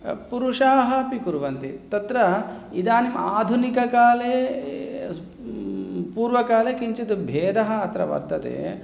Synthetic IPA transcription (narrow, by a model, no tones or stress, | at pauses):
puɾuʂaːɦɐ̆pikuɾʋɐnt̪it̪ɐt̪ɾɐid̪aːnimaːd̪ʱunikɐkaːleː | puːɾʋɐkaːleːkiɲt͡ʃɐd̪ubʱeːd̪ɐɦɐ̆ɐt̪ɾɐ̰ʋɐ̰ɾt̪ɐt̪ḛː